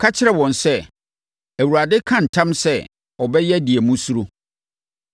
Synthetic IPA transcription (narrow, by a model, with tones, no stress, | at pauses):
kʰa˦t͡ɕʰɪ˦ɾɛ˦wɔ̃˨nsɛ˦ | æ˨wu˨ɾa˨dɪ˦kʰã˦n̩˨tʰã˦msɛ̰˦ | ɔ˨bɛ˦jɛ˦di˨ɛ˨mũ˦su˦ɾo˦